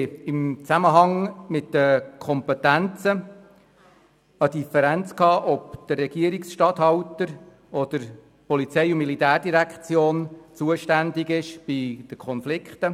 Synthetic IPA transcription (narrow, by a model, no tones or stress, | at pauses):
ɪmt͡sæməɦɑŋmɪtdəkʰɔmpɛt̪ænt͡sə | əd̪ifɛɾænt͡skɑːʔɔpd̥ərːɛɡ̥iəɾiksʃtɑt̪hɑwtəɾ | ɔd̪̥əɾ | pɔlit͡sɛɪʊmilit̪æːrdiɾækχt͡sjoːnt͡suəʃtænd̪ɪɡɪʃb̥id̥əkʰɔnflɪkχt̪ə